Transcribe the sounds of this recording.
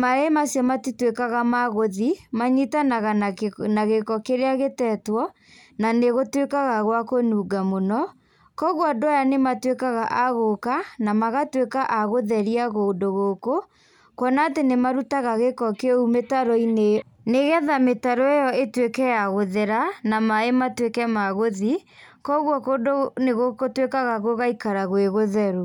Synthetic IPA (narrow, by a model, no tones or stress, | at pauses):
maɾemasjɔmatitwekaɣamaɣoðimaɲitanaɣanaɣekɔkeɾeaɣetɛtwɔ | naneɣotwekaɣaɣwakonuɡamonɔ | kɔɣwɔdoajanematwekaɣaʔaɣokanamaɣatwekaʔaɣoðɛɾiaɣodoɣoːko | kɔnaːtenemaɾutaɣaɣekɔkeumetaɾɔine | neɣɛðametaɾɔejɔetwekɛjaɣoðɛɾanamaematwekɛmaɣoði | kɔɣwɔkodoneɣokotwekaɣaɣoɣaikaɾaɣweɣoðɛɾo